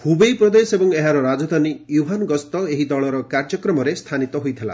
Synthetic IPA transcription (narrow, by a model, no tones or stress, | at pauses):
hubejpɾɔd̪esebɔŋeɦaɾɔɾad͡ʒɔd̪ʱanijuɦanɡɔst̪ɔeɦid̪ɔɭɔɾɔkaɾd͡ʒɔkɾɔmɔɾest̪ʰanit̪ɔɦojt̪ʰela̰